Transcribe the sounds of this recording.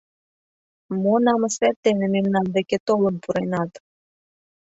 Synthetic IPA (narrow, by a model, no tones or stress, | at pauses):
monɑmɤsβʲæt̪ːenĕmemnɑnd̪eket̪oləmpuɾenɑt̪